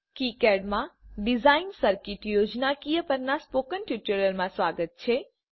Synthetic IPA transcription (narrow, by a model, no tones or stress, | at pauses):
kikɛːɖmãɖɪzaːɪnsəɾkiʈjoːd͡ʒnakijəpəɾnaspoːkənʈjuʈəɾəɾmãsʋaːɡət̪̚t͡ʃʰe